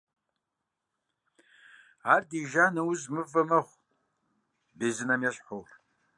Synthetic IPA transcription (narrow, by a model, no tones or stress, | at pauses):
aːrdiʒaːnɐwʊzmɨvɐmɐχʷ | beːzɨnɐmjɛɕħowr